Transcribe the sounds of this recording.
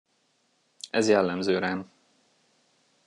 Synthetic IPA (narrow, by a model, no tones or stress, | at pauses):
ɛzjɛlːɛmzøːɾaːn